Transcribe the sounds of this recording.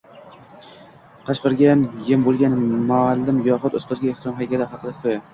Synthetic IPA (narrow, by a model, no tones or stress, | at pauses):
qʰɑʃqɨɾɡʲanjɪmbolˠɡʲanmaːlːɪmjɒχʊt̪ot̪qʰɨzɡʲaeht̪ɪɾɒmɦajkʲʰalaχɑqʰɨd̪akʰʊja